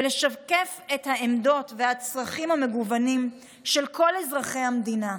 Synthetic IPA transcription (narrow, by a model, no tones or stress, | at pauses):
leʃavke̞fethaemdo̞tvehat͡sʁaχimame̞ɡuvanim | ʃelkʰo̞lezʁaχe̞jhamd̪ina